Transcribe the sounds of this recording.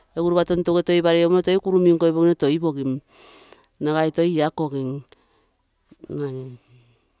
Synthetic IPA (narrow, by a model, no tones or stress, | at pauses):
eɡuɾβatontoɡetojβaɾeomotojkuɾumiŋkojβoɡinotoiboɡim | naɣajtojakoɡiŋ | ŋanin